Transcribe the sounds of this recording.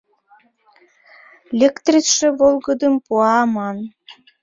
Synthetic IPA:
lʲekt̪rʲit͡sʃĕβolˠɣəd̪əmpuɑmɑn

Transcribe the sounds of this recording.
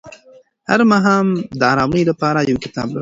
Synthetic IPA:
ha̰ɾmaɦɑːmd̪əɑːɾɑːməjlapɑːɾajawkɪ̥t̪ɑ̰bla

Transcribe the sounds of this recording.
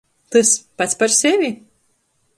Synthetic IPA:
t̪ɨspat̪spaɾsʲɛvʲi

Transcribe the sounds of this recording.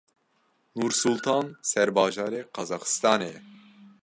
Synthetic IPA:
nuːɾsulˠt̪ʰɑːnsɛɾbɑːʒɑːɾeqʰɑzɑxɨ̥st̪ɑːneɛ

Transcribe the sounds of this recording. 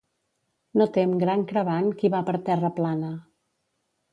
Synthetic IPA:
not̪emɡɾaŋkɾəβankiβapəɾt̪ɛrəplanə

